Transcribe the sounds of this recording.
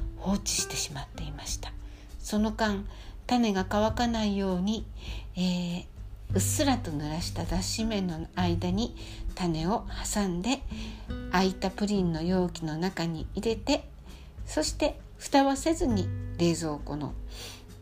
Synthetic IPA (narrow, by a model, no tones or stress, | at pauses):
ho̞ːt͡ɕi̥ɕi̥t̪e̞ɕimat̪ːe̞imaɕi̥t̪ḁ | so̞no̞kãnt̪ane̞ɡakaβakanaijo̞ːɲ̟ieː | ɯsɨɾat̪o̞nɯɾaɕi̥t̪ad̪aɕime̞noaid̪aɲ̟i | t̪ane̞o̞hasãnd̪e̞ | ait̪apɯ̟ɾʲĩnːo̞jo̞ːkʲino̞nakaɲ̟iiɾe̞t̪e̞ | so̞ɕi̥t̪e̞ | ɸɯ̟̥t̪aβase̞zɨɲ̟iɾe̞ːzo̞ːko̞̰no̞̰